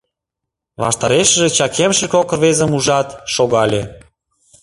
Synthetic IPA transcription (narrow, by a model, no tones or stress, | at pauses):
βɑ̰ʃt̪ɑɾeʃəʒĕt͡ɕɑkʰemʃĕkokβezə̆muʒɑt̪ʃoɣɑlʲe